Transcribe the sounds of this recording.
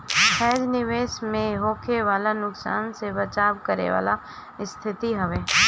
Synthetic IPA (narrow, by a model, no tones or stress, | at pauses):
pʰɛːd͡ʒnɪʋeːʃmẽɦoːkʰeʋaːlanʊksa̰ːnsebɐt͡ʃaːʋkəɾḛʋa̰ːla | ɪst̪ʰɪt̪iɦɐʋeː